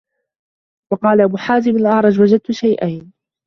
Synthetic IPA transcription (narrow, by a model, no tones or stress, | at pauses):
wɑqɑːlaʔabuːħaːzɪmalʔɑʕɾˤɑd͡ʒwad͡ʒad̪̚t̪ʊʃajʔajn